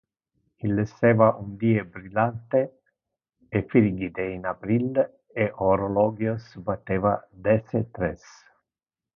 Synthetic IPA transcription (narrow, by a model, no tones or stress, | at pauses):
ilːesːɛːvaʔund̪iːebɾilant̪eː | fiɾɡid̪einapɾil | eʔoɾolɔɡjosbat̪ːeːvad̪ɛset̪ɾɛs